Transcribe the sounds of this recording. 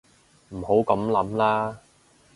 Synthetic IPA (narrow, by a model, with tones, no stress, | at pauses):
m̩˨˩ho˨˥wkɐ˨˧˥mlɐ˨˥mlaː˥